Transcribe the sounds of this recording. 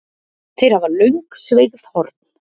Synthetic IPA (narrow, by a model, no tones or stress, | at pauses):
θejɾavaɾlœɥŋksvejɣð̥hɔɾt̪n̥